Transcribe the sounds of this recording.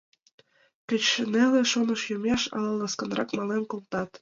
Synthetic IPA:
kə̆t͡ɕʃəneleʃonəʃjomeʃɑ̰llɑskə̆nrɑkmɑlenkolt̪ɑt̪

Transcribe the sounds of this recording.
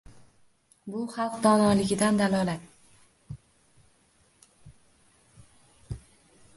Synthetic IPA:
bʊχɑlˠqd̪ɒnɒlɪɡʲɪd̪and̪alɒlat̪

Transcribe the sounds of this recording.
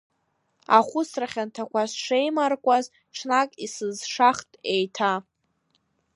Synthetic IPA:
a̰χʷʊsraχʲantʰakʷʰasʂejmarkʷʼaz | ʈ͡ʂʰnakʼisɨzʂaχtʼejtʰa

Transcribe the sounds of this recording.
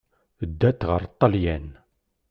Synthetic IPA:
d̪ːæt̪ːʁəɾˤt̪ˤːɑljæn

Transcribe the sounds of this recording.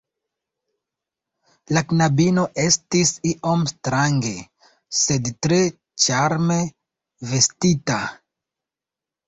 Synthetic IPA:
laknabino̞ʔe̞stisiʔomstɾaŋɡe̞ | se̞dtɾe̞ | t͡ʃaɾme̞ | ve̞stita

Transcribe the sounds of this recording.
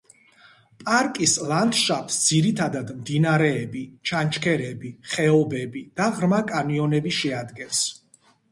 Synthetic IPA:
pʼaɾkʼislˠand̪ʃapʰʼsd̪ziɾit̪ʰad̪ad̪md̪inaɾɛːbit͡ʃʰant͡ʃʰkʰɛɾɛbiχɛɔbɛbid̪̥aʁɾmakʼaniɔnɛbiʃɛad̪ɡɛns

